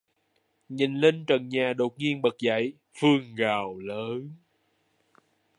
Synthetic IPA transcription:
ɲi˨˩nle˧nt͡ɕə˨˩nɲaː˨˩ɗo˨˩t̚ŋi˧ənɓə˨˩k̚za̰˧˨j | fɨ˧əŋɣaː˨˩wləː˨˦n

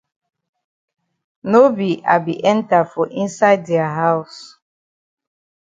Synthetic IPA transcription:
no˦bi˨ʔa˨bi˨ʔɛ̃˦nta˨fɔ˨ʔĩ˦nsa˦ɪddɛa˨ɦa˦ʊs

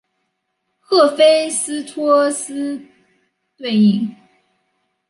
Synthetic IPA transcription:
xɤ˥˩fe˥ɪsɹ̩˥t̪ʰɔ˥ə˥s̩˥ | t̪we˥˧ɪi˥˩ŋ

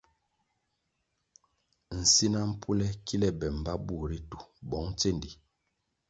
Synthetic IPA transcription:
n̩˨si˦na˦m̩˦pʰu˦lɛ˦kʰi˦lɛ˦bɛ˨m̩˨ba˦bu˦˨ɾi˦tu˨bɔ˨˦ŋ˦t͡se˦˨ndi˨

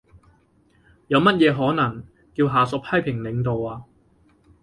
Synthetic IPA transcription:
jɐ˨˧wmɐ˥t̚jɛː˨˧ɦɔː˨˥nɐ˨˩ŋ | kiː˧wɦaː˨sʊ˨˥k̚pʰɐ˥jpʰɪ˨˩ŋlɪ˨˧˥ŋt̪o˨waː˧

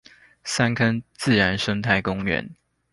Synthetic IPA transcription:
sa˥nkʰə˥nt͡sɹ̩˥˨ɻa˧˦nʂə˥ŋt̪ʰa˥˩ɪkʊ˥ŋɥɛ̰˧˥˦n

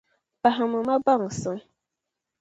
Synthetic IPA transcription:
pa˨ha˨mə˨ma˦ba˦˨ŋ˨sə˨˦

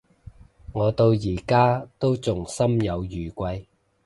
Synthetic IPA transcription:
ŋɔː˨˧t̪o˧wjiː˨˩kaː˥t̪o˥wt͡sʊ˨ŋsɐ˥mjɐ˨˧wjyː˨˩kʷɐ˧j

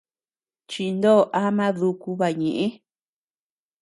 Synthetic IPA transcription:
t͡ʃi˧nd̪o˦˨ʔa˦mã˦ðu˧ku˧βa˧ɲẽ˨ʔĩ˦

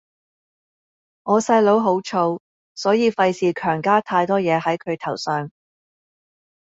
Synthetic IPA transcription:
ŋɔː˨˧sɐ˧jlo˨˥wɦo˨˥wt͡ʃʰo˧w | sɔː˨˥jiː˨˧fɐ˧jsiː˨kʰœː˨˩ŋkaː˥t̪ʰaː˧jt̪ɔː˥jɛː˨˧ɦɐ˨˥jkʰɵ˨˧ɥt̪ʰɐ˨˩wsœː˨ŋ

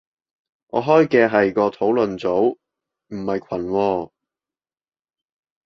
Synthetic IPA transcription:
ŋʔɔ̰ː˨˧ɦɔː˥jkɛː˧ɦɐ˨jkɔː˧t̪ʰo˨˥wlɵ˨nt͡so˨˥w | m̩˨˩hɐ˨jkʷʰɐ˨˩nwɔː˧

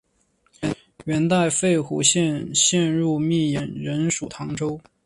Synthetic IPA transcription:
ɥɛ˧˥nt̪a˥˧ɪfe˥˩ɪxṵ˧˥ɕjɛ˥˧nɕjɛ˥˧nɻu˥˧mi˥˩jɛ˧˥nɻə˧˥nʂu˨˩t̪ʰɑ˧˥ŋʈ͡ʂo˥ʊ

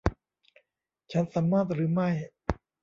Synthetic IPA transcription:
t͡ɕʰa˦˥nsaː˩˦mːaː˥˩t̪̚ɾɯː˩˦ma˥˩j

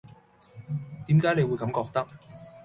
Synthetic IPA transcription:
t̪iː˨˥mkaː˨˥jne˨˧jwu˨˧jkɐ˨˥mkɔː˧k̚t̪ɐ˥k̚

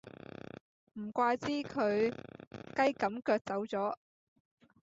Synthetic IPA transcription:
m̩˨˩kʷaː˧jt͡siː˥kʰɵ˨˧ɥ | kɐ˥jkɐ˨˧˥mkœː˧k̚t͡sɐ˨˥wt͡sɔː˨˥

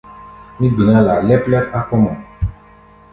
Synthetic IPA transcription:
mĩ˦ɡ͡bi˨nã˦la˨lɛ˦plɛ˦ɾa˦kɔ˦mɔ̃˨

